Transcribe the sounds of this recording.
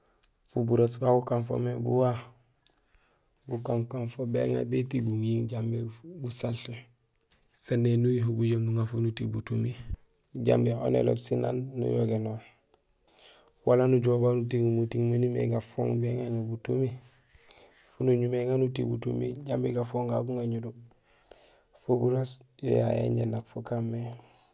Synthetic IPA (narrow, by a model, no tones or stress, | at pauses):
fubuɾosbaɡukanfo̰mebṵwa | ɡukaŋkanfobḛŋa̰betiɡuŋjiŋɟambeɡusalɬe | sanːenujiɦubuɟomnuŋafunutibutumi | ɟa̰mbeo̰nḛlo̰bsina̰nːṵjo̰ɡeno | walanuɟobanutiɡumutiŋmunimḛɡafo̰ːŋbeŋaɲobutumi | funuɲumeŋanutḭbṵtṵmḭɟambeɡafoːŋɡaɡuŋaɲudu | fobuɾasjḛja̰jḛɲḛnːakfokamːe